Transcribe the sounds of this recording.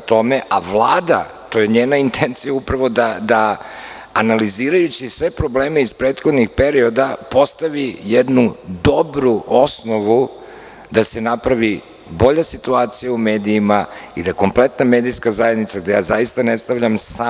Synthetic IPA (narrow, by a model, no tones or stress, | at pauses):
t̪o̞meʔaʋlˠaːd̪at̪o̞jeɲe̞ːnaint̪ʰent̪sijaupɾaʋo̞d̪ad̪aː | naliziːɾajut͡ɕisʋe̞pɾo̞ble̞ːmeispɾeːt̪xod̪nixpe̞ɾio̞d̪apo̞st̪aʋijed̪nud̪o̞bɾuʔo̞sno̞ʋu | d̪asenapɾaʋi | bo̞ʎasit̪uaːt̪sijaume̞ːd̪iːmaid̪aeko̞mple̞t̪nameːd̪ijskazajed̪nit̪saɡ̚d̪ejaːzajist̪anest̪aʋʎamsa